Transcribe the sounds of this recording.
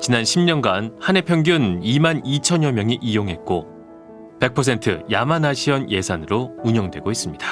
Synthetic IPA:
t͡ɕinanɕʰimɲʌnɡanhane̞pʰjʌŋɡjunimanit͡ɕʰʌɲjʌmjʌŋiʔijoŋɦe̞t̚k͈o | pe̞k̚pʰʌs̬ʰe̞ntʰɯ̰jamanaɕʰiʌnje̞sʰanɯɾouɲʌŋdwe̞ɡois͈ɯmɲid̥ḁ

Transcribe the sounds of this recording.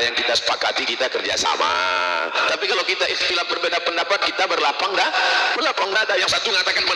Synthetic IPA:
jaŋkit̪asə̥pakat̪ikit̪akərd͡ʒa̰sa̰ma̰t̪apikalawkit̪aʔixt̪ilap̚bərbedapəndapat̪̚kit̪abərlapaŋdabərlapaŋdadajaŋsat̪uəŋat̪akanbə

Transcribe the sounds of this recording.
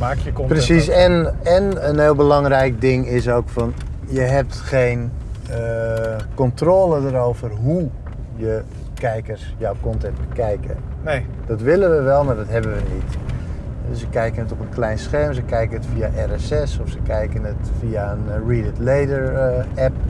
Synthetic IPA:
maːkəprəsisɛnɛnənɦɪːlˠbəlɑŋrɛjk̚dɪŋɪsowkfɔn | jəɦɛp̚tχejn | əkɔntroːlədəɾowvərɦu | jə | kɛjkərsjɔwkɔntɛnt̚bəkɛjkə̰ | d̥ɑtʋɪlənʋəʋɛlˠmardɔtɦɛbənʋənit | ɛsəkɛjkənətɔpənklɛjnsχɛrmsəkɛjkənətfiaʔɛrɛsɛsɔfsəkɛjkənətfiaənriːdətlejdəɹɛp̚

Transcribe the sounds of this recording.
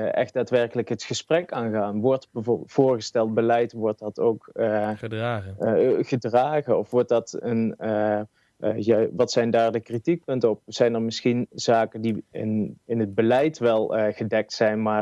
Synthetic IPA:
ʔɛ̰xd̚d̥aːtʋɛɹkələkɦətχəsprɛkaːnɣaːnʋɔɹtbəv̥ʊːɹɣəstɛlˠt̚bəlɛjtʋɔɹt̚dɑtowkː | χədraːɣənɔfʋɔɹt̚dɑtən | jaʋɑtsɛjndaːɹdəkritik̚pɵntəɔp̚z̥ɛjnəɹmɪsxinzaːkəndiɪ̰nɪnɦəd̚bəlɛjtʋɛlˠɣədɛk̚tsɛjnmaːr

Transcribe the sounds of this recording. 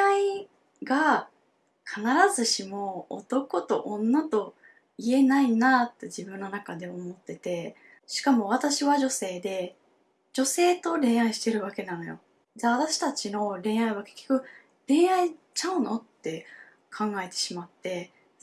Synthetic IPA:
ai | ɡa | kʰanaɾazɨɕimo̞̰ːt̪o̞ko̞t̪o̞ʔõnːat̪o̞ | ie̞nainat̪ːe̞d͡ʑibɯ̟̃nːo̞nakad̪e̞o̞mo̞t̪ːe̞t̪e̞ | ɕi̥kamo̞β̞at̪aɕiβaʑo̞se̞ːd̪e̞ | d͡ʑo̞se̞ːt̪o̞ɾẽ̞ɰ̃aiɕi̥t̪e̞ɾɯ̟βake̞nãno̞jo̞ | daβ̞at̪aɕi̥t̪at͡ɕino̞ɾẽ̞ɰ̃aiβake̞̥kʲːo̞̥kɯ̟ | ɾẽ̞ɰ̃ai | t͡ɕaɯ̟no̞t̪ːe̞ | kʰãŋɡae̞t̪e̞̥ɕimat̪ːe̞

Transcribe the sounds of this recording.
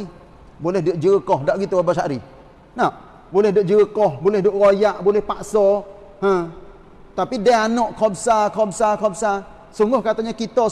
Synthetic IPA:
i | bolɛhdəʔd͡ʒəəkɔhdaʔɡit̪uabasaʔɾi | na | bolɛhdəʔd͡ʒəəkɔhbolɛhdoʔɾojaʔbolɛhpasɔ | hə̃ | t̪apidaanɔʔkʰɔbsakʰɔbsakɔb̚sa | suŋɡʊhkat̪aɲakit̪ɔ

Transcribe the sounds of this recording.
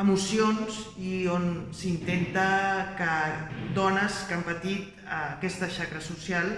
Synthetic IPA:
əmusionzionsint̪ent̪əkəd̪ɔnəskampət̪it̪̚ | əkɛst̪əʃakɾəsusjalˠ

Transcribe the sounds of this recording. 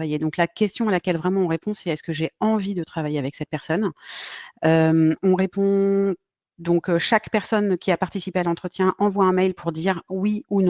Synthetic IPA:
vajed̪ɔ̃klakʲɛst̪jɔ̃alakʲɛlvʁɛmɑ̃ɔ̃ʁepɔ̃sɛɛskəʒeɑ̃vid̪ət̪χavajeavɛksɛt̪̚pɛʁsɔn | ømɔ̃ʁepɔ̃ | d̪ɔ̃kʃakpɛʁsɔnkʲʰiapaʁt̪isipealɑ̃t̪χət̪jɛ̃ʔɑ̃vwaɛ̃mɛjlpʰuʁd̪iʁwiunɔ̃

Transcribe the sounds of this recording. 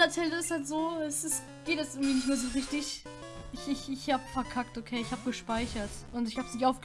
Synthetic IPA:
ɐt͡sɛləɪsthaltz̥oːɛsɪs | ɡ̥eːtɛsʔɪŋ̩tv̥iːnɪç̬tmeːɐzoːʁɪçtɪç | ʔɪçɪçɪçhaːbəfɛɐkʰak̚tokʰeːɪçhaːbəɡəʃpaɪçɐtʔʊntɪçhaːbsnɪçaʊfɡ̥

